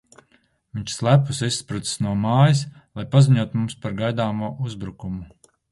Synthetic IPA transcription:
viɲt͡ʃslˠæpusisspɾut̪i̥snuɔmaːjislˠajpaziɲuɔt̪umumspaɾɡajd̪aːmuɔʔuzbɾukumu

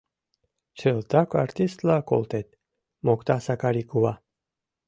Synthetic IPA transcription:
t͡ʃelˠt̪akaɾt̪ist̪lako̰lt̪et̪̚ | mokt̪asakaɾikuva

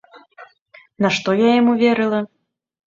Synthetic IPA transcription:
nɐʂt̪ɔjajamuvʲɛɾɨlˠɐ

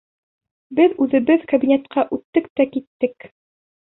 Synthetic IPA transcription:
bɘðʉðɘ̆bɘðkɐbʲinʲet̪qɑʔʉt̪ːɘk̚t̪ækit̪ːɘk

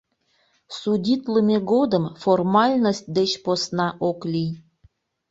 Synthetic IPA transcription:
sudʲit̪ləmeɣod̪əmformɑlʲnosʲt̪̚ʲd̪et͡ɕposnɑʔoklʲij

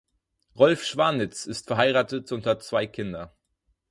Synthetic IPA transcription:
ʁɔlfʃv̥aɐnɪt͡sɪstfɛɐɦaɪʁaːtətʔʊntɐt͡sv̥aɪkʰɪndɐ

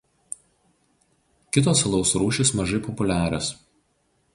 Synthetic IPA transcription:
kʲɪt̪oːsɐlˠɒʊsɾuːʃʲɪsmɐʒɐɪpɔpʊlʲæːɾʲos

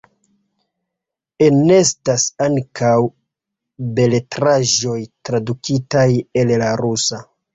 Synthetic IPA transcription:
ene̞stasaŋkʰaw | be̞le̞tɾaʒo̞jtɾadukitaje̞llaɾusa

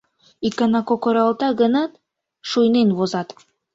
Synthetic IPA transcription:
ikɑnɑkokoɾɑlˠt̪ɑɣə̆nɑt̪ | ʃujnenβozɑt̪

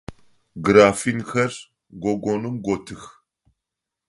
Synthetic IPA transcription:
ɡɾaːfinxɐr | ɡʷoɡʷonumɡʷotʰɨx

